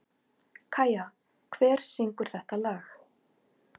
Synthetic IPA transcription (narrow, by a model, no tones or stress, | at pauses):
kʰaːja | kʰvɛːɾ̥siŋkʏɾ̥θɛht̪alaːx